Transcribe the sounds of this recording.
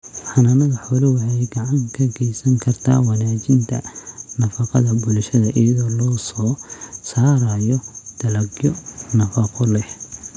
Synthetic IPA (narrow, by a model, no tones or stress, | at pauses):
ħɑnɐnɐɣɐħɔlɐwɑħɑjɡɐʕɑŋkʰɐɡʰɛjsɐŋkʰɐrt̪ʰa̰ːwɑnaːt͡ʃɪnt̪ʰɐ̰nɐfɑqɑðɐbʊlʃɐðɐʔijɐðɔːlɔːsɔːsaːɾɐjɔd̪̥ɐlɐɡjɔnɐfɐqɔlɛh